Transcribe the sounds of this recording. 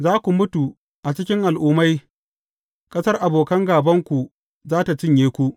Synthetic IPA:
zaː˦kʷu˨mʊ˦tu˨ | ʔa˨t͡ʃɪ˦kʲɪ˦ŋʔa˨lʔuː˦ma˦j | kʼɐ˦sɐ˦rʔa˨boː˨kɐ˦ŋɡaː˨bɐ˦ŋkʷu˨ | zaː˦ta˨t͡ʃɪ˦ɲjeː˦kʷu˦ʔ

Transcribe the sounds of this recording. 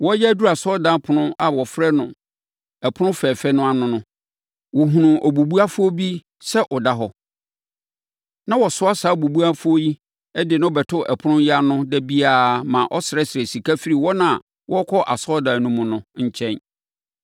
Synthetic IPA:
wɔ˦jɛ˦æ˦du˦˨a˨sɔ˦dã˨˦pʰʊ˨nʊ̃˦a˨wɔ˨fɾɛ˦nʊ̃˨ | ɛ˨pʰʊ˦nʊ̃˦fɛː˨fɛ˦nʊ̃˦a˨nʊ̃˦nʊ̃˦ | wɔ˨ɦũ˨nʊ̃˨ʔɔ˨bu˨bu˦a˦fʊ˦o˦bi˦ | sɛ˦ʔɔ˨da˦ɦɔ˦ | nã˦wɔ˨sʊ˦a˦saː˨˦˨bu˨bu˦a˦fʊ˦o˦ji˦ | ɛ˦dɪ˨nã˦ɔ˨bɛ˨tʰʊ˦ɛ˨pʰʊ˦nʊ̃˦ja˦nʊ̃˦dɛ˦bi˦aː˦˨mã˨ʔɔ˦sɪ˨ɾɛ˦sɪ˨ɛ˨si˨kʰa˦fi˦ɾi˨wɔ˦nã˦˨ | wʔɔ˦kʰɔ˦ʔa̰˨sɔ˦dãː˨nʊ̃˦mʊ̃˨nʊ̃˦ɲ̩˦t͡ɕʰɛ̃˦n

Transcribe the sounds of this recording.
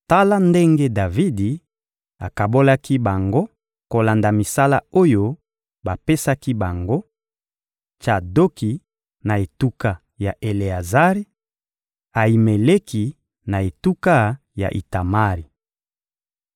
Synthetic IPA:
ta˦la˦nde˦ŋɡe˦da˨vi˦di˨ | a˨ka˨bo˦la˦ki˦ba˨ŋɡo˦ | ko˨la˨nda˨mi˨sa˦la˦o˦jo˦ | ba˨pe˦sa˦ki˦ba˨ŋɡo˦ | t͡ʃa˨do˦ki˨ | na˨e˨tu˦ka˦ | ja˨ʔe˨le˨a˨za˦ʁi˦ | a˨i˨me˨le˦ki˨ | na˨e˨tu˦ka˦ | ja̰˨ʔḭ˨ta˨ma˦ʁi˨

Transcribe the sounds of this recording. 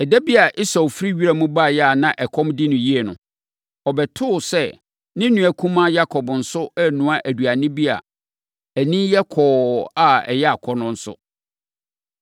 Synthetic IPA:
ɛ˨dæ˦bi˦a˨ʔɪ˦sa˨wfɾi˦ɥi˦ɾa˦˨mũ˦ba˦˨jɛ˦a˨nã˦ʔɛ˨kʰɔ̃˦mdɪ˦nʊ̃˨ji˦ɛ˨nʊ̰̃˨ | ɔ˨bɛ˨tʰʊ˦˨sɛ˦˨ | nɪ̃˦nũ˨æ˨kʰũ˦mã˦ja˦kʰɔ˨bn̩˨sʊ˦ɛ˦nʊ̃˨ã˦ʔæ˨du˨a˨nɪ̃˦bi˦a̰˨ | æ˨nĩ˦jɛ˦kʰɔː˨a˨ɛ̰˨jɛ˦a˨kʰɔ˦nʊ̃˦n̩˦sʊ̰˦

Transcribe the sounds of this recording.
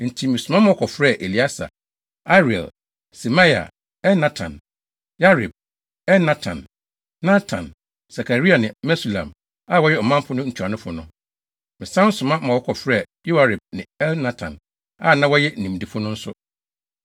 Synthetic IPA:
n̩˨tʰi˨mɪ̃˨sʊ˨ma˦mã˨wɔ˦kʰɔ˨fɾɛ˦˨ʔe˨li˨a˦sa̰˨ | a˦ɾi˨ɛ̰˨l | sɛ˨ma˦ja̰˨ | ɛ˦lnã˦tʰã̰˨n | ja˦ɾi˨b̚ | ɛ˦nã˦tʰã̰˨n | nã˦tʰã̰˨n | sa˨kʰa˨ɾi˦a˨nɪ̃˨mɛ˦si˨lã̰˨m | a˦˨wɔ˦jɛ˦ɔ˨mã˦m˦pʰʊ˦nʊ̃˦ɲ̩ʰᶣ˨u˨a˨nʊ̃˦fʊ˨nʊ̃˦ | mɪ̃˨sã˦n˦sʊ˨mã˦mã˨wɔ˦kʰɔ˨fɾɛ˦˨ju˦wa˨ɾɪ˨b̚nɪ̃˨ɛ˦lnã˦tʰã˨n | a̰˦˨nã˦wɔ˦jɛ˦˨nĩ˨m˨di˨fʊ˦nʊ̃˦n̩˦sʊ˦

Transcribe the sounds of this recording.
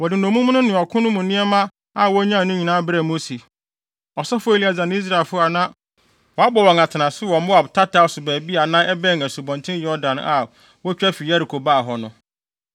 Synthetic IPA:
wɔ˨dɪ˨nõ˨mũ˦m̃˦nʊ̃˦nɪ̃˨ɔ˨kʰʊ̃˦nʊ̃˦mʊ̃˨nɪ̃˦ɛ˦mã˦ | a˨wɔ˦ɲã˦˨nʊ̃˦ɲĩ˨nãː˦bɾɛ˨mõ˦si˨ | ɔ˨sɔ˦fʊ˦e˨li˨a˨d͡zã˨ñ˦i˦s̬ɾa˨e˨lfʊ˦a˨nã˦ | wɔ˨a˦bɔ˨wɔ̃˨ŋa˨tʰɪ˨nã˨sɪ˦wɔ˨mʊ̃˦a˨tʰa˦tʰa˨˦˨sʊ˨bæː˨bi˦a˨nã˦ɛ˦bɛ̃˦˨ŋæ˨su˨bɔ̃˨ntʰɪ̃˦n˦jɔ˦ɾdã˨na˨ | wɔ˦t͡ɕᶣɛ˦fi˨a˦ɾi˨kʰo˨baː˦˨ɦɔ˨nʊ̃˨

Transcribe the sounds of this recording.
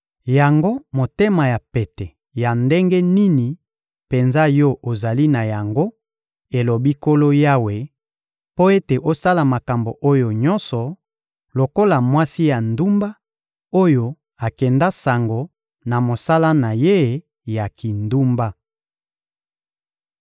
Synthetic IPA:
ja˨ŋɡo˦mo˨te˦ma˨ja˨pe˨tɛ˨ | ja˨nde˦ŋɡe˦ni˦ni˨ | pe˨nza˦jɔ˦ʔo˨za˨li˦na˨ja˨ŋɡo˦ | e˨lo˨bi˦ko˦lo˦ja˦we˨ | po˦e˦te˨ʔo˦sa˦la˨ma˨ka˨mbo˨ʔo˦jo˨ɲɔ̃˦nsɔ˨ | lo˨ko˦la˨mwa˦si˦ja˨ndu˦mba˦ | o˦jo˨ | a˨kɛ˨nda˦sa˨ŋɡo˨ | na˨mo˨sa˦la˦na˨je˦˨˦ | ja˨ki˨ndu˦mba˦

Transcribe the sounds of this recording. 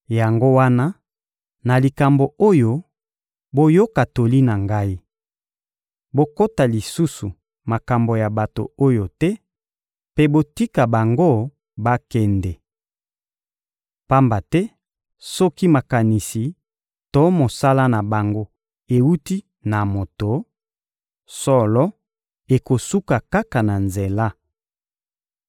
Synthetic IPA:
ja˨ŋɡo˦wa˦na˦ | na˨li˨ka˨mbo˨o˦jo˦ | bo˦jo˦ka˨to˨li˦na˨ŋɡa˦i˦ | bo˦ko˦ta˨li˨su˦su˨ | ma˨ka˨mbo˨ja˨ba˨to̰˨o˦jo˨tɛ˦ | pe˦bo˦ti˦ka˨ba˨ŋɡo˦˨ | ba˦kɛ˦ndɛ˨ | pa˦mba˨tɛ˦ | sɔ˦ki˦ma˨ka˨ni˨si˨ | to˨˦mo˨sa˦la˦na˨ba˨ŋɡo˦ | e˨wu˦ti˦ | na˨mo˨to˨ | sɔ˦lɔ˦ | e˨ko˨su˦ka˨ka˦ka˨na˨nze˨la˦

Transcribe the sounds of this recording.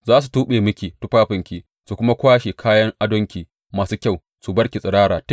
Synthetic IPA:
zaː˦s̬u˨tuː˦ɓeː˨mʊ˦kʲiː˨tu˦ɸaː˦ɸɪ˨ŋkʲiː˨ | su˨kʷʊ˦ma˦kʷaː˦ʃe˨kʰaː˦jɐ˦ŋʔa˦dɔ˦ŋkʲiː˨ | maː˨su˦kʲa˦˨w | su˨bɐ˦ɽkʲi˨sʼɪ˨ɽaː˦ɽaː˨t

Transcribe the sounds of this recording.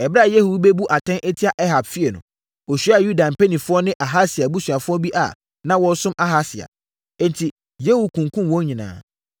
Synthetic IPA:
ɛ˨bɾa˦˨je˦hu˨˦be˦bu˦ʔa˨tʰɛ̃˦nʔe˦tʰi˦a˦˨ʔɛ˦ɦa˨bfi˦e˨nʊ̃˨ | wɔ˨ɕᶣi˦a˦˨ju˦dã˨m˨pʰe˦nĩ˨fʊ˦ɔ˦nɪ̃˦ʔa˨ɦa˦sɪ˨a˨bu˦su˨a˨fʊ˦ɔ˦bi˦ʔa̰˨ | nã˦wɔ̃˦sʊ̃˦mʔa˦ɦa˦sɪ˨a̰˨ | ɛ˦ntʰi˨ | je˦hu˦kʰũ˨ŋkʰũ˦m˨wɔ̃˦ɲĩ˨nã̰ː˨

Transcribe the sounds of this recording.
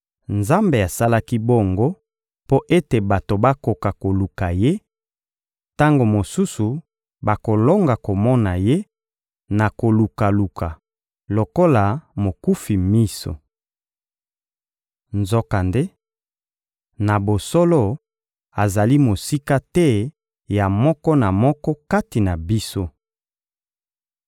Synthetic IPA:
nza˦mbe˨a˨sa˦la˦ki˦bo˦˨ŋɡo˦ | po˦ʔe˦te˨ba˨to˨ba˦ko˨ka˨ko˨lu˨ka˨je˦ | ta˦ŋɡo˨mo˨su˦su˨ | ba˨ko˨lo˦ŋɡa˨ko˨mɔ˦na˨je˦ | na˨ko˨lu˨ka˨lu˨kʰa˨ | lo˨ko˦la˨mo˨ku˦fi˨mi˦so̰˨ | nzo˦ka˨nde˦ | na˨bo˨sɔ˦lɔ˦ | a˨za˨li˦mo˨si˦ka˦tɛ˦ | ja˨mɔ˦kɔ˦na˨mɔ˦kɔ˦ka˦ti˨na˨bi˦so˦

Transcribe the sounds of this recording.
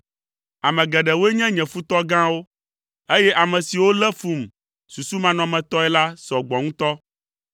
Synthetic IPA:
a˨mɛ̃˨ɡɛ˨ɖɛ˨wo˦e˦ɲɛ̃˦ɲɛ̃˨fu˦t̪ɔ˦ɡã˦wo˦ | e˦jɛ˦ʔa˨mɛ̃˨si˨wo˦lɛ˦fu˦m | su˨su˦mã˦nɔ̃˨mɛ̃˨t̪ɔ˦ɛ˦la˦sɔ˨ɡ͡bɔ˨ŋũ˦t̪ɔ˦

